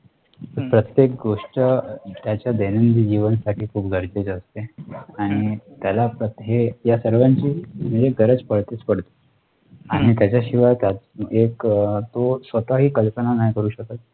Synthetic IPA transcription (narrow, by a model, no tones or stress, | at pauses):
pəɾpɾət̪jek̚ɡoʂʈət̪jat͡ɕjad̪enənd̪iːd͡ʑiʋənsaʈiːkʰuːpɡʱəɾd͡ʑed͡zəst̪eaɽ̃it̪jalapɾət̪ɦejasəɾʋaɲt͡ɕiːm̤id͡zeɡʱəɾəd͡zpəɽt̪et͡spəɽt̪o̥ | aɽ̃it̪jat͡ɕjaɕiʋajt̪ad͡zekt̪osʋət̪aɦiːkəlpənanajkəɾuːɕək̚t̪at̪̚